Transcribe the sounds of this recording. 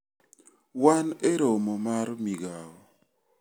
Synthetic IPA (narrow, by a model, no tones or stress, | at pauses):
waneɾomɔmaɾmiɡawɔ